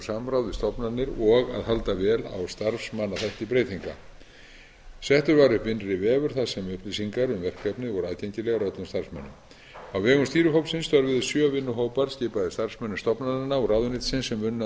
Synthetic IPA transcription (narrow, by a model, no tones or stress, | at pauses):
samɾawðɪst̪ɔpnanːɪɾɔɣa̰ðhɦalt̪avɛːla̰wst̪aɾfsmanːaθɛht̪ɪpɾeːjt̪ʰiŋka̰ | sɛht̪ʏɾvaɾʏhpɪnrɪvɛːvʏɾ̥θaðsɛmʏhplisiŋkaɾʏmvɛr̥kːɛpnɪvɔɾaːðcejɲcɪlɛɣaɾœt̪lʏmst̪aɾ̥fsmɛ̰nːʏ̰m | awvɛːɣʏmst̪iːɾʏɦowpsɪnst̪œɾvʏðɪsjœvɪnːʏɦoːwpaɾ̥scɪːpaðɪst̪aɾ̥fsmɛnːʏmst̪ɔpnaɪnaɔraːwðʏnɪt̪sɪnsːɛmvʏnː